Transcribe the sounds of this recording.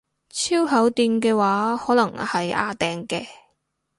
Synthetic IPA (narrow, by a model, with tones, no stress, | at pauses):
t͡sʰiː˥wɦɐ˨˥wt̪iː˧nkɛː˧waː˨˥hɔː˨˥lɐ˨˩ŋhɐ˨ja̰ː˧t̪ɛː˨ŋkɛː˧